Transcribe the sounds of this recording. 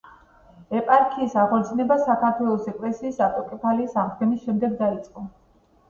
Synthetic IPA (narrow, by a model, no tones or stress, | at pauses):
ɛpʼaɾkʰiːsaʁɔt̪sʰnɛbasakʰaɾt̪ʰwɛlˠɔsɛkʼlɛsiːsat̪ʼɔkʼɛpʰaliːsaʁd̪̚ɡɛnisʃɛmd̪ɛɡd̪ait̪sʼqʼɔ